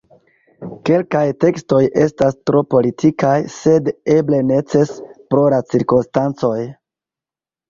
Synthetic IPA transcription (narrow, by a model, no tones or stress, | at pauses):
ke̞lkajte̞ksto̞jʔe̞stastɾo̞po̞litʰikajse̞de̞ble̞ne̞t͡se̞spɾo̞lat͡siɾko̞nstant͡so̞j